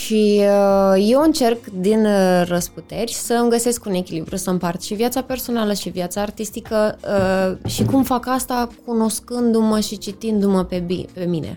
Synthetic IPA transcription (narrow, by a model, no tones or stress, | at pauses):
ʃiəje̞wɨnt͡ʃe̞rkd̪inrəsput̪e̞rʲsəɨmɡəse̞skune̞kʲilibɾusəmpart̪ʃivjat̪sape̞rso̞naləʃivjat̪saːrt̪ist̪ikəəʃikumfakast̪akʰuno̞skɨnd̪uməʃit͡ʃit̪ind̪uməpebipe̞minḛ